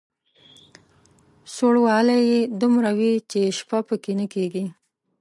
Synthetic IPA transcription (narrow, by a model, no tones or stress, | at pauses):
soɽwɑlajed̪umɾawit͡ʃeʃpapəkenəkeɡi